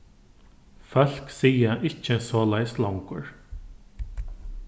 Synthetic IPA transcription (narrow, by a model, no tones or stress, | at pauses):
fœl̥ksiːjaʔɪcːəsɔːlajst̪lawŋkʊɹ